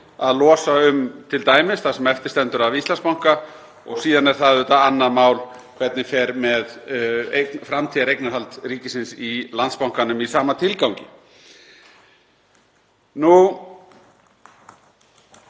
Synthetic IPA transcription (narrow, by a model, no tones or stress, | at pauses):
aðlɔːsaʏmt̪ʰɪlt̪aːjmɪsθasɛmɛft̪ɪɾ̥st̪ɛnt̪ʏɾavist̪lanspawŋ̥ka | ɔ̰ɣsiːðanɛɾ̥θaðʏht̪aanːaðmaːwl | kʰvɛt̪nɪfɛɾmɛðekfɾamt̪ʰiːaɾejknaɾɦalt̪ɾiːcɪsɪnsilant̪spawŋ̥kanʏmisaːmat̪ʰɪlkawɲcɪ | nu